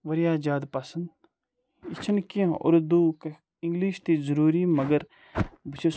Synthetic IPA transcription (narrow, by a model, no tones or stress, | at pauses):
ʋɐɾijaːd͡ʒaːd̪pɐsənd̪ | it͡ʃʰɐnkião̰ɾd̪uːk | ĩŋɡliʃt̪iːzəɾuːɾiːmɐɡəɾ | bɨt͡ʃʰe